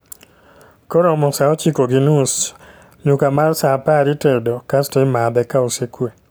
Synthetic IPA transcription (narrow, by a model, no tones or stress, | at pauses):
koɾomɔsaɔt͡ʃikoɡinus | ɲukamalsapaɾitedokastɔɪmad̪ɛkaosekwe